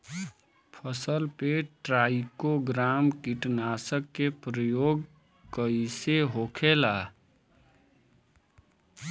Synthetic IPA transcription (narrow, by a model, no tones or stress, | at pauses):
pʰəsəlpeʈɾaikoɡɾamkiʈnasəkːepɾəjoɡ | kəiseɦokʰela